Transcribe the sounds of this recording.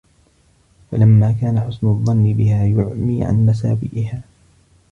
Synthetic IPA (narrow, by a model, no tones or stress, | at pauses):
falamːaːkaːnaħʊsnʊðˤːɑnːɪbɪhaːjʊʕmiːʕa̰nmas̬a̰ːbɪ̰ʔɪhaː